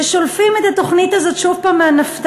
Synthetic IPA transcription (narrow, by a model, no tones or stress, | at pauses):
eʃolfime̞t̪at̪o̞χnit̪azo̞t̪ʃuvpaːmːeanaft̪